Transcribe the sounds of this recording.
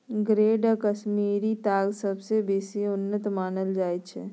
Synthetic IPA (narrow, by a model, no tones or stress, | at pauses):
ɡɾeːɖəkəʃmiːɾit̪aːɡsɐbsebeːsiʊnːət̪maːnəld͡ʒaːjt͡ʃʰɛ̰